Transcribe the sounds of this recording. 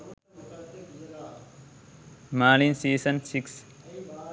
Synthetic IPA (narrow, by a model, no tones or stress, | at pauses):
maːlinsiːsɐnsiks